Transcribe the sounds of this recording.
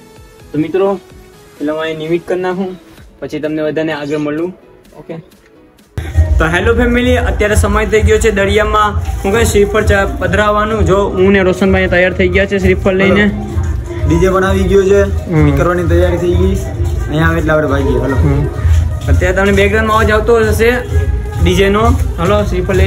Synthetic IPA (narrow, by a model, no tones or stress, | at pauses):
t̪omit̪ɾo | elamãenimiʈkəɾnaɦũpət͡ʃʰit̪əmnebəd̪ʱaneaɡəɾməɭũ | oke | t̪oɦelopʰemiliʔət̪jaɾesəməjt̪ʰəiɡjot͡ʃʰed̪əɽijamãɦũkʃɾipʰəɾt͡ʃabəd̪ʱɾaʋːanũd͡ʒoũneɾosənbanẽt̪əjaɾt̪ʰəiɡjat͡ʃʰeʃ̬ɾipʰəllːəine | ɖid͡ʒebəɳaʋiɡjot͡ʃʰeɦkəɾʋanit̪əjaɾit̪ʰəiɡəi | nəjãʋeʈlaʋəɾebʱaɡɡjeɦəlo | ət̪jaɾet̪əmnebeɡɾanmãod͡ʒaʋt̪oɦɔd͡ʒaʃe | ɖid͡ʒenoɦəloʃɾipʰə